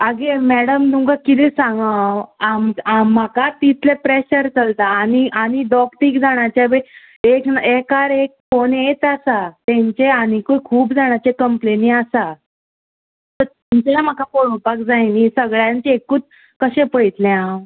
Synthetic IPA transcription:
aɡemæɽəmt̪ũŋkakit̪ẽsãŋɡawamamːakat̪it̪ʰlepɾeɕəɾt͡səlt̪aːniañiɖɔkʈ̪ikd͡zaɳ̃jat͡ɕaʋe | eknekaɾek̚fonet͡sasat̪ɛ̃ɲt͡ɕeanikojkʰuːpd͡zaɳ̃jat͡ɕekəmpleniasa | t̪əɾt̪uɲt͡ɕam̤akakoɽũpak̚d͡zajnisəɡɭjãɲt͡ɕeekuːt͡s | kəɕẽpəɭit̪lɛ̃ãw

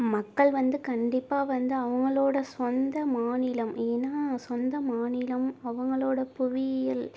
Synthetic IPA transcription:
mɐkːɐɭʋɐnd̪ɯkɐɳɖɪpːaːʋɐnd̪ɯɐʋɐŋɡɐɭoːɽɐsɔnd̪ɐmaːnɪlɐmeːnaːsɔnd̪ɐmaːnɪlɐmɐʋɐŋɡɐɭoːɽɐpʊʋɪɪl

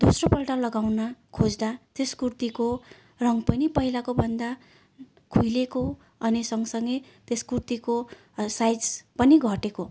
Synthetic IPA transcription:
d̪̥osropʌlʈalʌɡawnakʰod͡zd̪at̪eskurt̪iko | rʌŋɡpʌnipʌɦilakobʱʌnd̪a | kʰujleko | ʌnisʌŋɡsʌŋɡʌj | t̪eskurt̪iko | sajd͡zpʌniɡʱʌʈeko

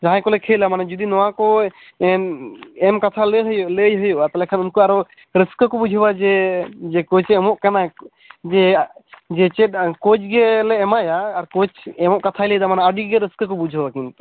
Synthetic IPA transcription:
d͡ʒaɦãkɔlɛkʰɛlamanad͡ʒud̪inɔwakɔ | ɛnɛmkat̪ʰaləɦəjɔʔləjɦəjɔʔat̪alɛkʰanunkɔaɾɔ | ɾəskəkɔbud͡ʒʱəbad͡ʒɛd͡ʒɛkɔt͡ʃɛmɔʔkana | d͡ʒɛ | d͡ʒɛt͡ʃɛt̚kɔt͡ʃɡɛlɛɛmajaːɾkɔt͡ʃɛmɔʔkat̪ʰajlɛd̪amanaəɖiɡɛɾəskəkɔbud͡ʒʱəbakint̪

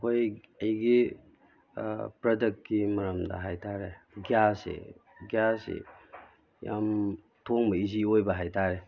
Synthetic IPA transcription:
hoj | ɐjɡi | pɾɐdek̚t̚kimɐɾɐmdɐ̰ɦajtʰaɾeɡijasḛɡjasḛ | ja̰m | tʰoŋbɐiziojbɐɦajtʰaɾe

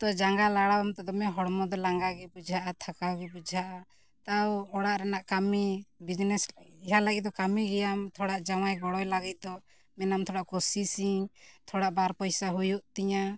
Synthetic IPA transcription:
t̪ɔd͡ʒaŋɡalaɽawɔmt̪ɛd̪ɔmɛɦɔɽmɔd̪ɔlaŋɡaɡɛbud͡ʒʱaʔat̪ʰakawɡɛbud͡ʒʱaʔa | t̪awɔɽaʔɾɛnaʔkamibid͡ʒnɛsiɦalaɡit̪̚d̪ɔkamiɡɛjamt̪ʰɔɽaʔd͡ʒawajɡɔɽɔjlaɡit̪̚ˀd̪ɔ | mɛnamt̪ʰɔɽaʔkɔsisiŋt̪ʰɔɽaʔbaɾpɔjsaɦujuʔt̪iɲa

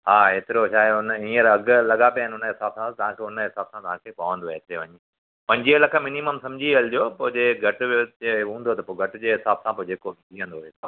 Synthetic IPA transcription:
ɦaːɦeːt̪ɪɾoʃaːeʊnəĩːəɾɐɡlɐɠapijaːɪnɪɦʊnəɦɪsaːbsãt̪ɐʋ̤ãkʰeʊnəɦɪsaːbsãt̪ɐʋ̤ãkʰeːpɐʋə̃nd̪oet̪eʋɐɲe | pɐ̃ɲd͡ʑiɦəlɐkʰə̆mɪniməmsɐ̃md͡ʑʱiəld͡ʑoːpõd͡ʑeɡʱɐʈoeɦũːnd̪ot̪ɐpoɡʱɐʈd͡ʑeːɦɪsaːbsãpod͡ʑeːkodiːə̃nd̪oɦet̪ʰ

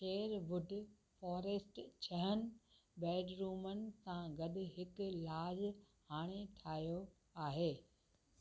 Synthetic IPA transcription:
ʃeːɾʋʊɖʱ | fɔːɾeːsʈt͡ɕʰɐɦənɪ̆ | bɛːɖɾuːmənɪ̆sãɡɐɗʊ̆ɦɪklaːz | haːɽ̃eʈʰaːijo | aːɦeː

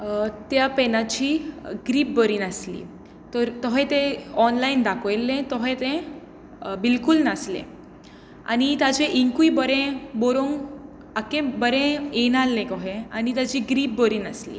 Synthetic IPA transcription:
t̪japɛnãt͡ɕiːɡɾiːp̚bəɾiːnaslḭː | t̪ɔɾt̪ɔɦet̪ẽɔnlaind̪akʰɔjlːẽt̪ɔɦẽt̪ẽ | bilkulnaslḛ̃ | a̰nit̪at͡ɕeʔiŋkuibəɾẽboɾoŋɡ | akẽbəɾẽenalːẽkɔɦẽanit̪jat͡ɕiːɡɾiːp̚bəɾiːnaslḭː

